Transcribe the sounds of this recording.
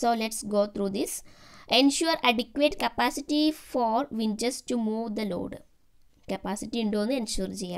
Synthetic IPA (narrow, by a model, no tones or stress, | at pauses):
soːleʈsɡoːt̪ʰɾuːd̪isẽnʃuəɾaɖikʋeːʈkɐpasɪʈifɔːɾʋĩnt͡ʃɐsʈumuːʋd̪ɐlo̰ːɖ | kɐpasiʈiĩɳɖõnẽnʃuːɾd͡ʒi